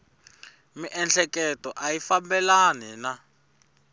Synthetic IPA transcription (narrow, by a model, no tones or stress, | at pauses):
miʔɛnɬʰɛkɛtɔʔajifambɛlanina